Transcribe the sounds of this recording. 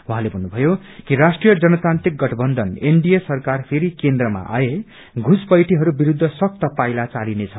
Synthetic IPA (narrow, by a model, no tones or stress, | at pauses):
wuɦãlebʱʌnːubʱʌjo | kirasʈrijʌd͡zʌnʌt̪ant̪ɾik̚ɡʌʈʰʌbʌnd̪ʱʌneɳɖijesʌrkarpʰeɾikend̪rʌma̰ʔa̰e | ɡʱuspʌjʈʰiɦʌɾubiɾud̪ʱːʌsʌk̚t̪ʌpajlat͡salinet͡sʰʌ